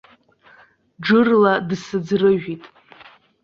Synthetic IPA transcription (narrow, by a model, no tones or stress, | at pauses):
ɖ͡ʐɨrladsɨd͡zrɨʒᶣitʼ